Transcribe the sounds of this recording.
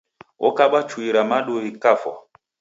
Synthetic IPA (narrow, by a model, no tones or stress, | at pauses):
ɔ̰kaɓat͡ʃuiɾamaɗoikafɔ̰